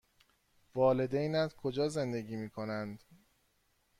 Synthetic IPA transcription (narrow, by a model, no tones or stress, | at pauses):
vɒːle̞d̪ejnæt̪kʰo̞d͡ʒɒːze̞nd̪eɡiːmiːkʰo̞nænd̪